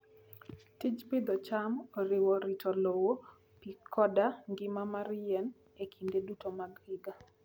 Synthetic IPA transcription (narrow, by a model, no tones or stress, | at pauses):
tid͡ʒpɪd̪ɔt͡ʃamoɾɪwɔɾitʰɔlowo | pikʰɔdaŋɡɪmamaɾjɛn | ekʰindedutomaɡɪɡa